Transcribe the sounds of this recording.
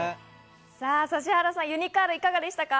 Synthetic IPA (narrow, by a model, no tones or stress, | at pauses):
saːsaɕ̬ihaɾasãjɯ̟ɲ̟ikaːɾɯikaɡad̪eɕi̥t̪aka